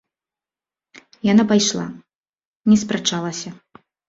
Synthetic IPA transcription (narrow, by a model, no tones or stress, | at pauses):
janapajʂlˠa̰ | nʲɛspɾat͡ʂalˠɐsʲɐ